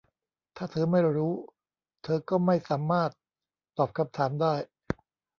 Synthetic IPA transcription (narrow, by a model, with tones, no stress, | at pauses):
t̪ʰaː˥˩t̪ʰɤː˧ma˥˩jɾuː˦˥ | t̪ʰɤː˧kɔː˥˩ma˥˩jsaː˩˦mːaː˥˩t̪̚ː | ɔː˨˩p̚kʰa˧˥mt̪ʰaː˩˦mdaː˥˩j